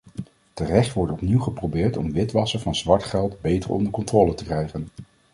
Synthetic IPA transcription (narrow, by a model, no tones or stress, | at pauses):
tərɛχtʋɔɹtɔpniwχəprowbɪːɹtɔ̰mʋɪtʋɑsəɹvɑnzʋɑɹtχɛlˠtbejtəɹʔɔ̰ndəɹkɔntrɔːlətəkrɛjχən